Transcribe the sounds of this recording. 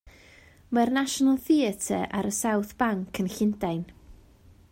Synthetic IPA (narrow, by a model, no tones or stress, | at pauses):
marnaʃɔnəlˠθiɛtʰə̰ʔaɾəsawθb̥aŋkʰənɬɪndajn